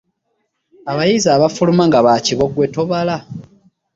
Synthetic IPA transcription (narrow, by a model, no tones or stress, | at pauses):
aβajizaːβafulumaŋɡaβaciβo̞ɡwe̞to̞βala